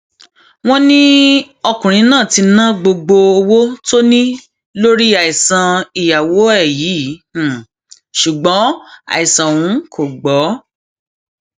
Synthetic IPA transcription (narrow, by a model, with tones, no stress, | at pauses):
w̃ɔ̃˦nĩ˦ | ɔ˧kũ˨ɾ̃ĩ˨˦nãː˦˨ti˧nã˦˨ɡ͡bo˧ɡ͡bo˧o˧wo˦to˦nĩ˦ | lo˦ɾi˦a˨i˨sã˧i˨ja˨wo˨˦ɛ˦˨jĩː˨˦˨ | ʃu˨ɡ͡bɔ̃˨˦a̰˨i˨sã˨wũ˨˦kʰo˨ɡ͡bɔ˨˦